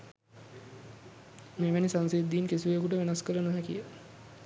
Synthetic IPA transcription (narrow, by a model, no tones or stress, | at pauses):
meːʋænisaŋsid̪ːiːnkesiʋejəkuʈəʋenaskələnuɦækḭjə